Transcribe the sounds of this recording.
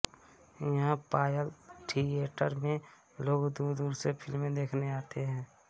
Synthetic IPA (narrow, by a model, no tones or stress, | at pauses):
jɐɦãpaːjəlʈʰieːʈəɾmẽ | loːɡd̪uːd̪uːɾsepʰɪlmːẽd̪eːkʰneaːt̪eɦɛ̃ː